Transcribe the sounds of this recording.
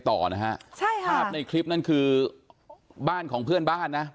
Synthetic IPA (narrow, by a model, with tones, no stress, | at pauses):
t̪ɔ̰ː˨˩na˦˥hʰa̰˦˥ʔt͡ɕʰa˥˩jkʰaː˥˩p̚na˧jkʰli˦˥p̚na˥˩nkʰɯː˧ | baː˥˩nkʰɔː˩˦ŋpʰɯ˥˩ənbaː˥˩nːa˦˥